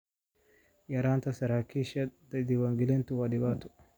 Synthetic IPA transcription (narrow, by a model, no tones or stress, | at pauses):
jɐɾant̪asɐɾakiʃad̪ɐd̪iwaŋɡilɛnt̪uwadibat̪u̥